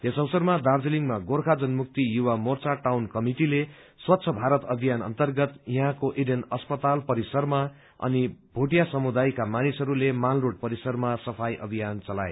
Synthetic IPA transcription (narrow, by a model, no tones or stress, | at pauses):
esʌwsʌrmad̪ard͡zeliŋmaɡorkʰad͡zʌnmuk̚t̪ijuwamort͡saʈawnkʌmiʈile | swʌt̪ːsʰʌbʱaɾʌt̪ʌbʱijanʌ̰nt̪ʌrɡʌt̪jʌ̃ɦãkoʔiɖenʌspʌt̪alpʌɾisʌrma | ʌ̰nibʱuʈijasʌmud̪ajkamanisʌɾulemalroʈ̚pʌɾisʌrmasʌpʰajʔʌ̰bʱijant͡sʌlaḛ